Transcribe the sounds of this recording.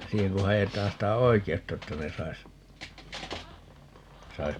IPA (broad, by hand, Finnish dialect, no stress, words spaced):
siːheŋ ku hɑjetɑːn sitæ oikeutːɑ etːæ ne sɑis sɑis